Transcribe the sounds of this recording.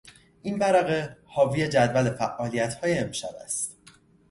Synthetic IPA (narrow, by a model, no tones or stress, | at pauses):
ʔinbæɾæɣehɒːvije̞d͡ʒæd̪vælefæʔːɒːlijæt̪hɒːje̞emʃɒ̰væ̰st̪